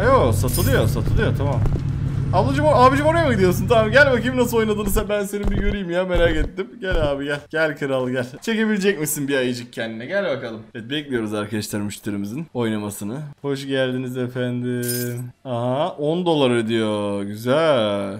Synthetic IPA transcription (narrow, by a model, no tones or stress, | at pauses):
ajosat̪ʰɯd̪ɯjosat̪ʰɯlˠɯjot̪ʰamam | ablˠud͡ʒumoaːbid͡ʒɯmoɾajamaid̪ijosunt̪ʰamːmɟælʲbakʰimnas̬ɯlo̞jnad̪ɯnɯzɛbænse̞nimbijøɾyjimjame̞ɾaːket̪ːimɟælʲaːbiɟælʲɟ̥ælʲkʰɯɾalˠɯɟælʲt͡ʃʰe̞ce̞bilʲed͡ʒɛc̚misinbiajɯd͡ʒɯk̚cʰːɛnd̪inɛɟælʲbakalˠɯmɛt̪̚bɛclʲijo̞ɾuzaɾkad̪aʃt̪ʰɯɾmɯʃt̪ʰɯɾimizino̞jnamasɯnɯho̞ʃɟælʲd̪inizefænd̪ɪ | aɦao̞nd̪o̞lˠaɾɯd̪ijo̞ɟyzæ